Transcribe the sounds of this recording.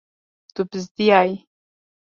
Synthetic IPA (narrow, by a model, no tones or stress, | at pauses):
t̪ʊpɪs̬t̪ɪjaj